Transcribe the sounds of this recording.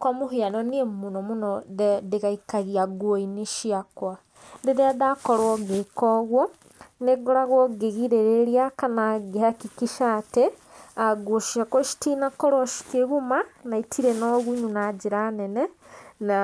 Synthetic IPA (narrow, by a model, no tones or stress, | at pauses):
kwamoɦeanɔniemonɔmonɔðɛdeɣaikaɣiaɡwoiniʃiakwa | deðeadakɔɾwɔɡekɔɣwɔ | neɡoɾaɣwɔɡeɣiɾeɾeɾiakanaɡehakikiʃate | aɡwoʃiakwɔʃi̥tinakɔɾwɔʃi̥keɣumanaitʰiɾenɔɣuɲunad͡ʒeɾanɛnɛna